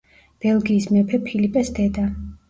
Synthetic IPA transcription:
b̥ɛlˠɡiːsmɛpʰɛpʰilipʼɛsd̪̥ɛd̪a

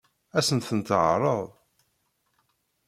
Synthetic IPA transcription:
æsənt̪ənt̪ʕɾˤəðˤ

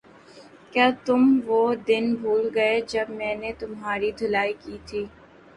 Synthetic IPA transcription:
kjaːt̪ʊmʋoːd̪ɪnbʱuːlɡɐed͡ʒɐbmɛ̃ːnet̪ʊmɦaːɾid̪ʱʊlaːikiːt̪ʰiː

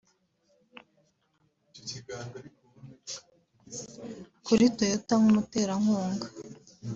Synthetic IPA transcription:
kuɾitojotaŋumute̞ːɾaŋ̥huːŋɡa

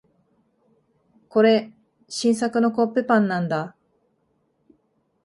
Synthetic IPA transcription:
ko̞ɾe̞ | ɕĩɰ̃s̬akɯ̟no̞kopːepãnːãnd̪a

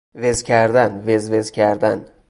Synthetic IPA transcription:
vezkʲʰæɾd̪ænvezvezkʲʰæɾd̪æn

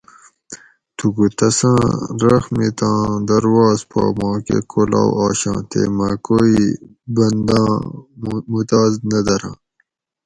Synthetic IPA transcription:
t̪uɡut̪ɐsãːɾɐxmit̪ãːd̪ɐɾwɑːzpɑ̰ːmɑ̃ːkḛkʰola̰ːwɑːɕã̰ːt̪ḛːmɐ̃koi | bɐnd̪ãː | mut̪aːznɐd̪ɐɾã̰ː

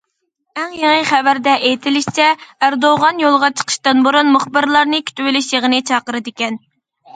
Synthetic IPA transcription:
ɛŋjeŋɨχævæɾd̪ɛʔejt̪ʰɪlɪʃt͡ʃʰɛæɾd̪oʁɑnjolˠʁɑt͡ʃʰə̥qʰə̥ʃt̪ɨnboɾunmʊχbɨɾlˠɑɾnɨkʲʰy̥t̪ywɪlɪʃjeʁənɨt͡ʃʰɑːqəɾɨd̪ɪkʲɛn

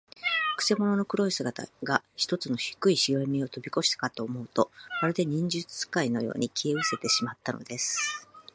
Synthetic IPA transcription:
kɯ̟̥se̞mo̞no̞no̞kɯ̟ɾo̞isɨɡat̪a̰ɡaçi̥t̪o̞t͡sɨno̞çi̥kɯ̟iɕiɡaimʲio̞t̪o̞bʲiko̞ɕi̥t̪ḁkat̪o̞ːmo̞ɯ̟t̪o̞βaɾɯ̟d̪e̞ɲ̟ĩɲ̟d͡ʑɨt͡sɨ̥kaino̞̰jo̞̰ːɲ̟ikʲʰieɯ̟se̞t̪e̞ɕimat̪ːano̞̰d̪e̞sɨ̥

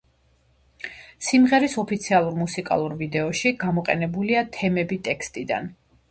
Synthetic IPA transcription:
simʁɛɾisɔpʰit̪sʰialˠuɾmusikʼa̰lˠuɾvid̪ɛɔʃiɡamɔqʼɛ̰nɛbuliat̪ʰɛmɛbit̪ʼɛkst̪ʼid̪a̰n

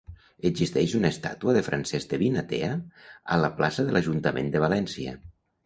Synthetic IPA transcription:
əzist̪ɛʃunast̪a̰t̪uəðəfɾansɛzd̪əβinat̪eaa̰laplasəðəlʔaʒunt̪amʔḛnd̪əβ̞alɛnsia̰

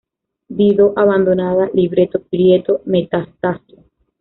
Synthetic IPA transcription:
d̪iðoʔaβand̪onaðaliβɾet̪opɾjet̪omet̪ast̪aso

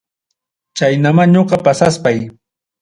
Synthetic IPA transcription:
t͡ʃajnamaɲoɢɑpasaspaj

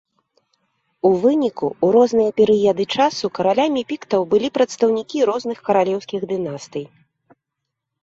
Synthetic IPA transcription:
uvɨnʲikuːɾɔznɨjɐpʲɛɾɨjɛd̪ɨt͡ʂasukɐɾalʲamʲipʲikt̪ɐwbɨlʲipɾɐt̪st̪ɐwnʲikʲiɾɔznɨxkɐɾalʲɛwsʲkʲiɣd̪ɨnast̪ɨj

